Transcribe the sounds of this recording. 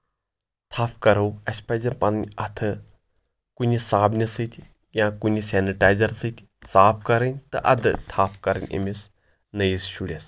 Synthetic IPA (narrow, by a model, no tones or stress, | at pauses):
t̪ʰaːfkɐɾɐwɐsʲpajd͡zepannʲɐt̪ʰə | kunisaːbnʲisɨt̪ʲʰ | jãkunisɛniʈajzɐɾsɨt̪ʲ | saːpʰkɐɾɐnʲt̪ɐʔɐ̰d̪ɨ̰t̪ʰaːpʰkɐɾɐnʲʔḛmis | nɐjisɕuɽʲes